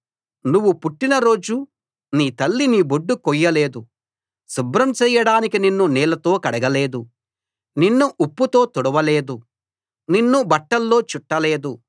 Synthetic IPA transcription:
nuʋːupuʈːinɐɾo̞ːd͡ʒu | niːt̪ɐlːiniːboɖːukojːɐleːd̪u | subɾɐmt͡ʃɛːjɐɽaːnikininːunɛːlɐt̪o̞ːkɐɽɐɡɐle̞ːd̪u | ninːuʔupːut̪o̞ːt̪ɔɽɐʋɐle̞ːd̪u | ninːubɐʈːɐlːo̞ːt͡ʃuʈːɐle̞ːd̪u

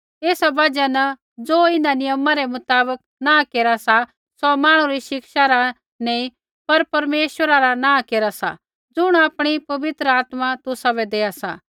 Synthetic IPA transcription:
eːsabɐd͡ʒanɐ | d͡zoːɪnanɪjəmaɾɛmʊt̪aːbək | nãkeːɾasa | sɔmaːɽ̃ũɾiʃɪkʃaɾa | nɛ̃ːĩ | pɐɾpɐɾmeːʃʋəɾaɾanãːkeːɾasa̰ | d͡zʊɽ̃aːpɽ̃ipɐʋɪt̪ɾəaːt̪mat̪ʊsabɛd̪eːasa̰

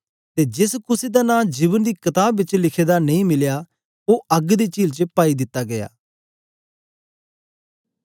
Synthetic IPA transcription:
t̪eːd͡ʒɪskʊseːd̪aːnãːd͡ʒiːbənd̪iːkət̪aːbɪt͡ʃlɪkʰeːd̪aːnɐĩːmɪljaː | oːʔəɡd̪eːt͡ʃiːlt͡ʃəpaːiːd̪ɪt̪ːaːɡəja̰ː

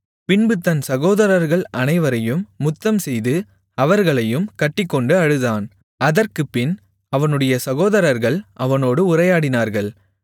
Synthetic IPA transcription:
pɪɳbɯt̪ːɐnsɐɣoːðɐɾɐɾɣɐɭɐnɐɪʋɐɾɐjɯmːʊt̪ːɐmsɛjðɯ | ɐʋɐɾɣɐɭɐjɯmkɐʈːɪkːɔɳɖɯɐɻɯðaːn | ɐðɐrkɯpːɪn | ɐʋɐnɯɽɐjɐsɐɣoːðɐɾɐɾɣɐɭʔɐʋɐnoːɽɯʊrɐjaːɽɪnaːɾɣɐɭ

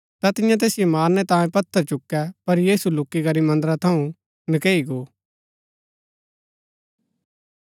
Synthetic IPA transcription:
t̪at̪ɪ̃jãt̪eːsɪjomaːɾnɛt̪ãːjẽpɐt̪ʰːəɾt͡ʃʊkːɛpɐɾjiːsulʊkːikɐɾimɐ̃nd̪ɾat̪ʰɐũ | nəkeːiɡoː

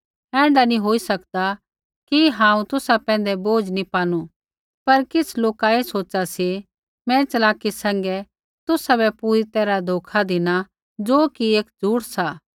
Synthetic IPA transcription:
ɛ̃ːɳɖanĩɦoːisɐkd̪a | kiɦãːũt̪ʊsapɛ̃ːn̆d̪ɛboːd͡ʒnipaːnu | pɐɾkɪsʰloːkaesoːt͡ʃasi | mɛ̃t͡ʃɐlaːkisɛ̃ːŋ̆ɡɛ | t̪ʊsabɛpuːɾit̪ɛːɾad̪ʱoːkʰad̪ɪna | d͡ʒoːkieːkd͡zʱuːɽsaː

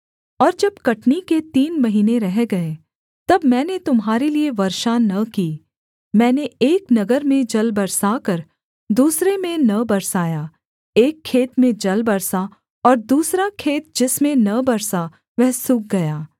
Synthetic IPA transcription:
ɔːɾd͡ʒɐbkɐʈniket̪iːnmɐɦiːneɾɛɦɡɐe | t̪ɐbmɛ̃ːnet̪ʊmɦaːɾelieʋɐɾʃanɐkiː | mɛ̃ːneeːknɐɡəɾmẽd͡ʒɐlbɐɾsakɐɾ | d̪uːsɾemẽnɐbɐɾsaːjaː | eːkʰːeːt̪mẽd͡ʒɐlbɐɾsa | ɔːɾd̪uːsɾakʰeːt̪̚d͡ʒɪsmẽnɐbɐɾsa | ʋɛɦsʊk̚ɡɐjaː

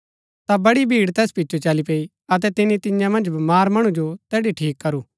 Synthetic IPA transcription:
t̪abɐɽibʱiːɽt̪ɛːspɪtːʃʰot͡ʃalipeːi | ɐt̪̬ɛt̪ɪnit̪ɪ̃jãmɐ̃nd͡ʒbɐmaːɾmɐɽ̃ud͡ʒot̪ɛːɽiʈʰiːkːɐɾuː

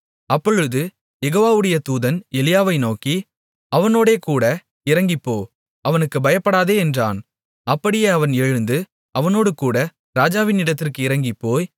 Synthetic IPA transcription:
ɐpːɔɻɯðɯ | jɛɣoːʋaːʋɯɽɐjɐt̪uːðɐnɛlɪjaːʋɐɪnoːki | ɐʋɐnoːɽeːkuːɽɐ | ɪɾɐŋɡɪpːoː | ɐʋɐnɯkːɯbɐjɐpːɐɽaːðeːɛndra̰ːn | ɐpːɐɽɪjeːɐʋɐnɛɻɯnd̪ɯ | ɐʋɐnoːɽɯkuːɽɐ | ɾaːd͡ʒaːʋɪnɪɽɐt̪ːɪrkɯɪɾɐŋɡɪpːoːj

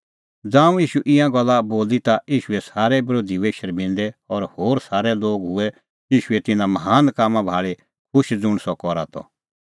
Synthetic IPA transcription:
d͡zãːũjiːʃuʔɪ̃jãɡɔlːaboːlit̪aiːʃuɛsaːɾɛbɾoːd̪ʱiʋeːʃəɾbɪ̃nd̪ɛɔɾhoːɾsaːɾɛloːɡɦʊɛ | iːʃuɛt̪ɪnãmɐɦaːnkaːmãbʱaːɭe | kʰʊʃd͡zʊ̃ɽ̃sɔkɔɾa̰t̪ʰɔ̰

